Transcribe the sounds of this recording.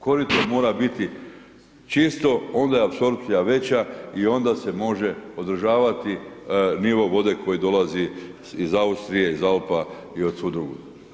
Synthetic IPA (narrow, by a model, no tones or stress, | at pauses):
ko̞ɾit̪omo̞ːɾabit̪i | t͡ʃist̪o̞o̞nd̪ajeapso̞ɾpsijaʋe̞t͡ɕaio̞nd̪ase̞mo̞ʒe̞o̞d̪ɾ̩ʒaːʋat̪iniʋo̞ʋo̞d̪e̞kʰo̞jid̪o̞lazi | izaust̪ɾijeizalpa | iot̪sud̪ɾuɡu